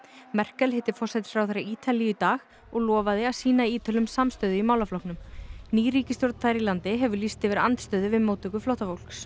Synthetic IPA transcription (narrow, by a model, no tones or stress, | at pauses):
mɛr̥kɛlhɪht̪ɪɾfɔr̥sɛt̪ɪ̥fɾawθajɾaɾiːt̪ʰalijʏit̪aːɣ | ɔɣlɔːvaðɪḁsiːnaiːt̪ɪlʏmsamst̪œːðʏimaːwlaflɔhknʏmniːɾiːcɪst̪joɾt̪aθajɾilant̪ɪɦɛvʏlist̪ɪvɪɾa̰nt̪st̪œːðʏvɪðmowt̪ʏkʏflowht̪afowl̥ks